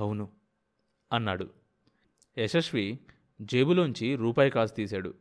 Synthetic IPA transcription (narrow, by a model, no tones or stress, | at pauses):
ɐwnu | ɐnːa̰ːɽu | eʃɐʂʋi | d͡ʒejbuloːnuɲt͡ʃiɾuːpaːjɐkaːst̪iːsaːɽṵ